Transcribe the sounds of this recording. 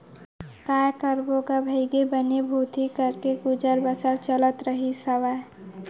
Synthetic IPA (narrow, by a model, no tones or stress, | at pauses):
kajkəɾboɡabʱəɪɡebənebʱuːt̪ikəɾkeɡud͡ʒəɾbəsəɾt͡ʃələt̪ɾəɦisəʋa